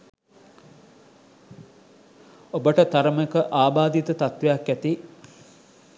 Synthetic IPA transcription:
obəʈət̪aɾəmekəʔaːbaːd̪it̪ət̪at̪ʋejakːæt̪i

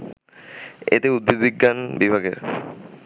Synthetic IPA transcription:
ḛt̪eud̪̚bed̪biɡːanbibʱaɡḛɾ

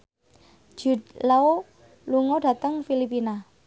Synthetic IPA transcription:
d͡ʒ̥ṳd̪lao | luŋoɖa̤t̪əŋfilipina

